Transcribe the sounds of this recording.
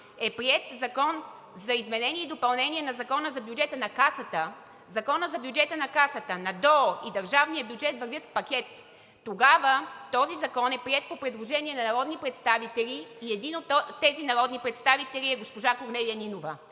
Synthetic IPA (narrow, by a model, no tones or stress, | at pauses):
ɛpɾiɛt̪zɐkɔn | zɐizmɛnɛnʲiɛid̪opɐlˠnɛniɛnɐzɐkɔnəzɐbjud͡ʒɛt̪ənɐkasət̪ə | zɐkɔnəzɐbjud͡ʒɛt̪ənɐkasət̪ənɐd̪ɔid̪ɐɾʒavnijəbʲjud͡ʒɛt̪vəɾvʲət̪fpɐkʲɛt̪ː | oɡavət̪ɔzizɐkɔnɛpɾiɛt̪̚popɾɛd̪lˠoʒɛniɛnɐnɐɾɔd̪nipɾɛt̪st̪avit̪ɛlʲiːɛd̪inot̪t̪ːɛzinɐɾɔd̪nipɾɛt̪st̪avit̪ɛlʲiɛɡospoʒakoɾnɛliəninovə